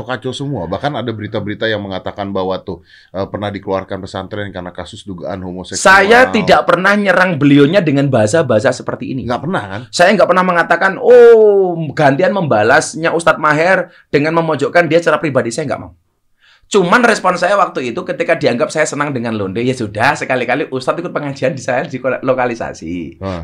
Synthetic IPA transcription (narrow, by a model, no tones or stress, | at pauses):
okat͡ʃosəmua̰bahkanadabəɾit̪abəɾit̪ajaŋməŋat̪akanbawat̪ʊh | əpərnahdikəlua̰rkanpəsant̪ɾɛnkarnakasʊsduɡa̰ʔa̰nhomosɛsajaidaʔpərnahɲəɾaŋbəlioɲadəŋanbaɦas̬abaɦas̬asə̥pərt̪ḭːniŋɡaʔpərnahkansajaŋɡaʔpərnahməŋat̪akano | ɡant̪ianməmbalasɲaʔust̪at̪̚maɦɛr | d̥əŋanməmɔd͡ʒoʔkandiat͡ʃəɾapɾibadisajaŋɡa̰ʔma̰u | t͡ʃumanrɛspɔnsajawak̚t̪uit̪ukət̪ikadiaŋɡap̚sajasənaŋdəŋanlondejasudahsəkalikaliʔust̪at̪̚ikʊt̪̚pəŋad͡ʒiandisajadiklokalisa̰sḭ